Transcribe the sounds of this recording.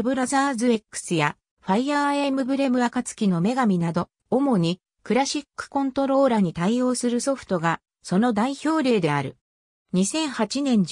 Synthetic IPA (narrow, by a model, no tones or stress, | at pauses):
bɯ̟ɾazaːzɨe̞kːɯ̥sɨja | ɸaijaemɯ̟bɯ̟ɾe̞mɯ̟akat͡sɨ̥kʲino̞me̞ɡamʲinad̪o̞ː | mo̞ɲ̟i | kɯ̟ɾaɕikːɯ̥kõ̞nt̪o̞ɾo̞ːɾaɲ̟it̪aio̞ːsɨɾɯ̟so̞ɸɯ̥t̪o̞ɡa | so̞no̞d̪aiço̞ːɾʲe̞ːd̪e̞aɾɯ̟ | ɲ̟isẽ̞ɰ̃hat͡ɕinẽ̞ɲ̟d͡ʑ